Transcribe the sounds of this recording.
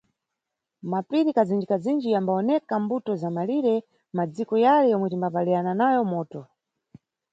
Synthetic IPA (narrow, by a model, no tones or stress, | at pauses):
mapiɾikʰazind͡ʒikazind͡ʒijambaɔnɛkambutɔzamaliɾɛ | mad͡zikɔjalɛjɔmwɛtimbapaliananajɔmɔːtɔ